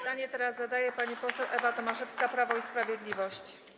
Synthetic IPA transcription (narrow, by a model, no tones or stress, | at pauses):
aɲɛt̪ɛɾazːad̪ajɛpaɲipɔsɛwʔɛvat̪ɔmaʂɛfskapɾavɔispɾavʲjɛd̪lʲivɔɕt͡ɕ